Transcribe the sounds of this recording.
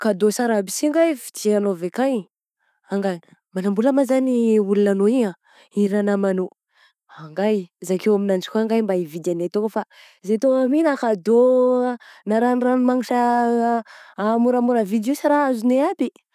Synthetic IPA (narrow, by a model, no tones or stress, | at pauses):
kad̪osaɾabisiŋɡajvi̥t̪ianovekaɲ | aŋɡaj | manambulamazaniulunanoia | iɾanamano | aŋɡajzakewaminant͡si̥kʲoaŋɡajmbaivid̪anet̪okafa | zet̪oaminakad̪o | naɾanranumaŋiʈ͡ʂa | muɾamuɾəvid̪osaɾaazuineabi